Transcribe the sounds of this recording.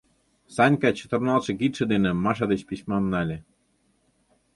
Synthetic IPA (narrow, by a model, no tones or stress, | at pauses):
sɑnʲkɑt͡ɕə̥̆t̪ɤ̆rnɑlˠʃɤ̆kit̪ʃĕd̪enĕmːɑʃ̬ɑd̪et͡ɕpiɕʲmɑmnɑlʲĕ